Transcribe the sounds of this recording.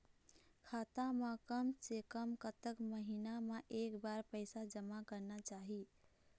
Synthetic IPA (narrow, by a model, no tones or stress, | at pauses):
kʰat̪amekəmsekəmkət̪əkməɦinameʔekbaɾpəɪsad͡ʒəmakəɾnat͡ʃaɦi